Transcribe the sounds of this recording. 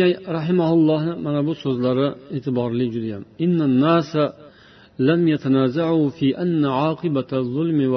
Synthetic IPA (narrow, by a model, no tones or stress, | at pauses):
ɾɑħɪmahʊlˠːɑhnɪmanabʊsɵzlaɾɪeːt̪ʰɪbɑɾlɪd͡ʒʊd̪ajamʔɪnːanːaːsa | lamjat̪ʰanaːzaʕufiːʔanːaʕɑːqʰɨbaðˤːʊlmɪw